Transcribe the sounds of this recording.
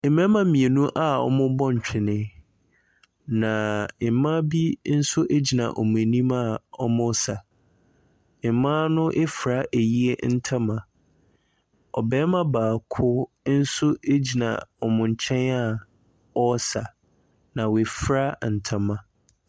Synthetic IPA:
mɛ̃˦mã˦mĩ˨e˨nũ˦ʔa˦˨ɔ̰˦˨mʊ̃˦bɔ˦ɲ̩˨t͡ɕᶣʰɪ˨nɪ̃˦ | nã˨˦mã˦bi˦n̩˦sʊ˦ʔe˦d͡ʑi˨nã̰˨ʔɔ˨mʊ̃˨e˨nĩ˦ma˦˨ɔ˦mʊ̃˦sa˨ | e˨˦mã˦nʊ̃˦ʔe˦fɾa˦ʔe˨ji˦e˦n̩˦tʰã˦mã˨ | ɔ̰˨bɛː˦mã˦baː˨kʰʊ˦ | n̩˦sʊ˦e˦d͡ʑi˨nã̰˨ɔ˨mʊ̃˨ɲ̩˨t͡ɕʰɛ̃˦na˦˨ | ɔ˦sa˨ | nã˨we˨fɾa˦n̩˨tʰã˦mã˦

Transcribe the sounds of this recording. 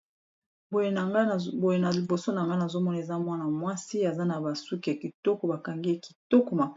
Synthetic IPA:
bo˨ŋɡbo˨je˨na˨li˨bo˨so˦na˨ŋɡa˦na˨zo˦mɔ˦na˨e˨za˦mwa˦na˨mwa˦si˦a˨za˦na˨ba˨su˦ki˨a˨ki˨tɔ˦kɔ˨ba˨ka˨ŋɡe˦ki̥˨tɔ˦kɔ˨ma˨

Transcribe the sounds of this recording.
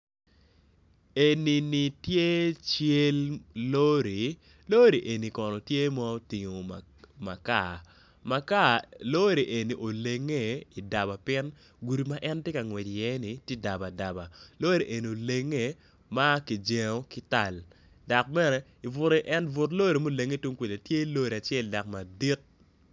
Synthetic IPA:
e˨ni˨ni˨tje˦t͡ʃje˦llo˦ɾi˨ | lo˦ɾi˨ʔe˨ni˨kɔ˨nɔ˨tje˦mɔ˦o˦ti˨ŋo˨ | ma̰˨ka˨ | ma˨ka˦lo˦ɾi˨ʔe˨ni˨ʔo˨le˨ŋːe˦˨i˨da˨ba˨pɪ˦n | ɡu˨ɾi˨ma˦ʔɛ˦ntje˦ka˨ŋwɛ˨ti˨jɛ˦ni˨tje˦da˨ba˨da˨ba˨lo˦ɾi˨ʔe˨ni˨o˨le˨ŋːe˦˨ | ma˦ki˨d͡ʒe˨o˦kɪ˦ta˨l | da˨k̚bɛ˦nɛ˦ | i˨vʊ˨ɾe˦ʔɛ˦nvʊ˨tlo˦ɾi˨mo˦le˨ŋːe˦˨tu˦ŋkʷe˨le˨tje˦lo˦ɾi˨a˨t͡ʃɛ˦lda˨k̚ma˨di˦t̚

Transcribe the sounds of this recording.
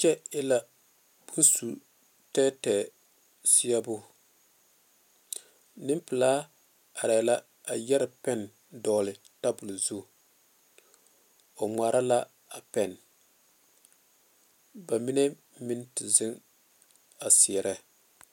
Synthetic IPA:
t͡ʃɛ˦ɪ˦la˨ | b̥u˦nsu˨ | tɛː˦tɛː˨ | sɪ˦ɛ˦bʊ˦ | nɪ˦mpɨ˨laː˦ | a˨ɾɛː˨la˦ | a˨jɛ˦ɾɪ˨pɛ˦˨n | dɔː˨lɪ˨ | ta˦bʊ˨lzu˦ | o˨ŋaː˨ɾʔa˦la˦ | a˨pɛ˦˨n | ba˨mi˦ne˦ | mɪ˦ntɪ˨zɪ˦ŋ | a˨sɪ˨ɛ˨ɾɛ˦

